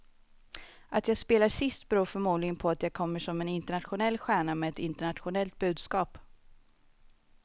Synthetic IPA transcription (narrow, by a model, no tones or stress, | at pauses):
ʔat̪jaːɡspeːlaʂɪst̪̚bɾoːfœɾmuːd̪lɪɡənpʰɔat̪jaːɡ̚kʰɔmːəʂɔmɛnɪnt̪əɳat̪ɧʊnɛlːɧæːɳamɛɛt̪ɪnt̪əɳat̪ɧʊnɛlt̪̚bʉ̟ːd̪skɑːp